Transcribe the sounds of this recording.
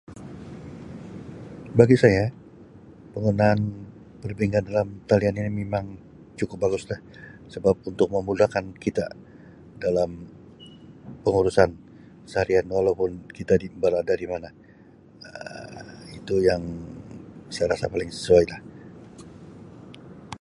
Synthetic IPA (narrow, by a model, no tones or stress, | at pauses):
baɡisaja | pəŋunaːn | pərbeŋandalamt̪alianinimemaŋ | t͡ʃukʊp̚baɡʊslah | səbap̚unt̪ʊk̚məmulakankit̪a̰ | dalam | pəŋuɾusan | saɾianwalawpʊnkit̪adimbəɾadadimana | ə̰ | it̪ujaŋ | sajaɾasa̰palɪŋsə̥suajlah